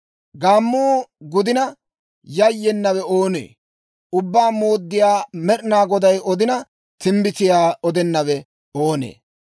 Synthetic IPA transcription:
ɡaːmːuːɡʊd̪ɪnɐ | jɐjːɛnːɐwɛoːnḛː | ʊbːaːmo̞ːd̪ːɪjaːmɛɾnaːɡɔd̪ɐjɔd̪ɪnɐ | t̪ɪmbɪt̪ɪjaːɔd̪ɛnːɐwɛ | oːnḛː

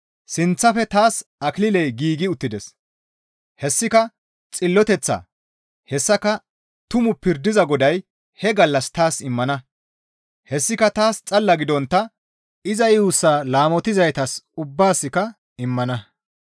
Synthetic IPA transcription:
sɪnt͡sːɐfɛt̪aːsɐklɪlɛjɡiːɡɪʊt̪ːɪd̪ɛs | hɛsːɪkɐ | t͡sʼɪlːɔt̪ɛt͡sːa̰ː | hɛsːɐkɐ | t̪ʊmʊpɪɾd̪ɪzɐɡɔd̪ɐj | hɛɡɐlːɐst̪aːsɪmːɐnɐ | hɛsːɪkɐt̪aːst͡sʼɐlːɐɡɪd̪ɔnt̪ːɐ | ɪzɐjuːsːaːlaːmɔt̪ɪzɐjt̪ɐsʊbːaːsːɪkɐ | ɪmːɐnɐ

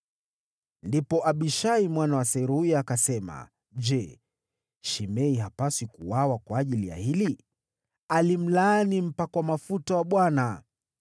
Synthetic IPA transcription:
ndipɔʔaɓiʃaimwanawasɛiɾuujakasɛma̰ | ʄɛ | ʃimɛiɦapasikuwawakwaːʄilija̰hili | alim̩lanim̩pakwamafutawaɓwana

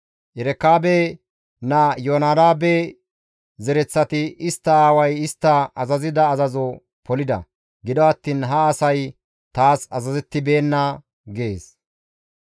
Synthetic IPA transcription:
ʔɛɾɛkːaːbe | najoːnaːdaːbe | zɛɾɛt͡sːɐt̪ɪɪst̪ːɐaːwɐjɪst̪ːɐɐzɐzɪd̪ɐːzɐzɔ | pɔlɪd̪ɐ̰ | ɡɪd̪ɔɐt̪ːiːnɦɐːsɐj | t̪aːsɐ̰zɐzɛt̪ːɪbe̞ːnːɐ | ɡe̞ːs

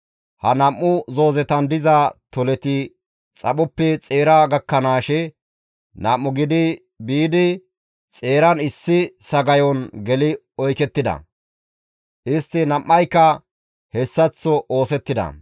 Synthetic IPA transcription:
hɐnɐmːʊzo̞ːzɛt̪ɐnd̪ɪzat̪ɔlɛt̪ɪ | t͡sʼɐɓʊpːɛt͡sʼe̞ːɾaɡɐkːɐnaːʃɛ | nɐmːʊɡɪd̪ɪ | biːd̪ɪ | t͡sʼe̞ːɾɐnɪsːɪsɐɡɐjɔnɡɛlɪ | ɔjkɛt̪ːɪd̪ɐ̰ | ʔɪst̪ːɪnɐmːɐjkːɐ | hɛsːɐt͡sːɔʔo̞ːsɛt̪ːɪd̪ɐ̰

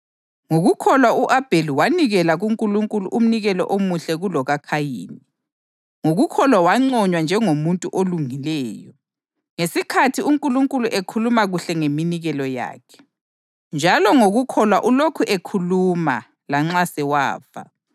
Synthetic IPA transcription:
ŋoɣukʰɔlwauʔab̥ʱeliwaniɣɛlaɣuŋkʼuluŋkʼuluʔum̩niɣɛlɔ̰ʔomuɬɛɣulɔɣakʰajḭːni | ŋoɣukʰɔlwawaŋ͡ǀɔɲwand͡ʒʱɛŋomuntʼuʔoluŋilɛːjɔ | ŋesikʰatʰiuŋkʼuluŋkʼuluʔekʰulumaɣuɬɛŋeminiɣɛlɔja̰ːkʰɛ̥ | nd͡ʒʱalɔŋoɣukʰɔlwaʔulokʰuʔekʰuluma̰ | laŋ͡ǁasɛwa̰ːva̰

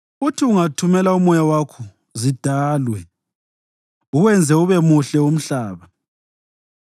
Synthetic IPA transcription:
utʰiuŋatʰumɛlaumɔjawakʰu | zid̥ʱaːlwɛ | uɣwɛnd͡zʱɛuβɛmuɬɛum̩ɬaːβa

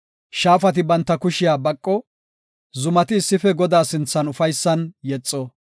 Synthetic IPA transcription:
ʃaːfɐt̪ɪbɐnt̪ːɐkʊʃɪjaːbɐkʼːɔ | zʊmɐt̪ɪːsːɪfɛɡɔd̪aːsɪnt͡sːɐnʊfɐjsːɐnjɛt͡sʼːɔ

